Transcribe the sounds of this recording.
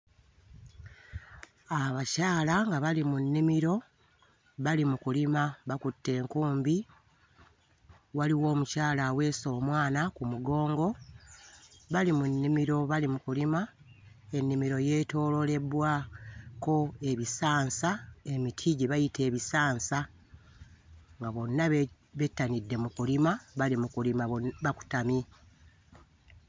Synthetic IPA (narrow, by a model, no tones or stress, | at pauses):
aβacaːlaŋɡaβalimunːimiɾo̞ | βalimukulimaβakutːe̞ːŋkuːmbi | waliwo̞ːmucaːlawe̞ːso̞ːmwaːnakumuɡo̞ːŋɡo̞ | βalimunːimiɾo̞βalimukulima | e̞nːimiɾo̞je̞ːto̞ːlo̞le̞βwaːko̞e̞βisaːnsae̞mitʰiɟeβajite̞ːβisaːnsa | ŋɡaβo̞nːa | βe̞tːanidːe̞mukulimaβalimukulimaβaku̥tami